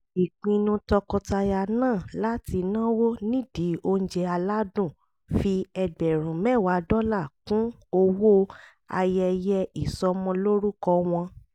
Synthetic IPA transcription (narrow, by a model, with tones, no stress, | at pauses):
i˨k͡pĩ˧nũ˧tɔ˧kɔ˧ta˧ja˧nãː˦˨la˦ti˧nã˦wo˦nĩ˦di˨˦o˧n̩˦d͡ʒɛ˧a˧la˦dũ˦˨ | fi˧ɛ˧bɛ˨ɾũ˨mɛ˦˨wa˨˦dɔ˦la˦˨kũ˨˦ | o˧wo˦ | a̰˧jɛ˧jɛ˧i˨sɔ˧˦mɔ̃˧lo˦ɾu˦kɔ˧w̃ɔ̃˧